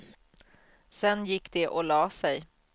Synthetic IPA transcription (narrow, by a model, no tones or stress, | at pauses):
sɛnjɪkːd̪ɛʔɔlɑːsɛj